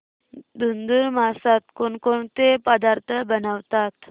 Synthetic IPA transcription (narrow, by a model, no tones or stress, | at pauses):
d̪und̪uɾmasat̪koɳkoɳt̪epəd̪aɾt̪ʰəbənaʋt̪at̪